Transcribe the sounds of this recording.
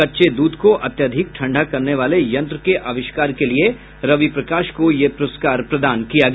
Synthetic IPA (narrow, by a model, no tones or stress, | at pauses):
ɐtːʃed̪uːd̪ʱkoʔɐt̪jəd̪ʱɪk̚ʈʰɐ̃ɳɖʱakɐɾneʋaːlejɐ̃nt̪ɾəkeʔaːʋɪʃkaːɾkelie | ɾɐʋipɾɐkaːʃkojepɾoːskaːɾpɾɐd̪aːnkijaɡ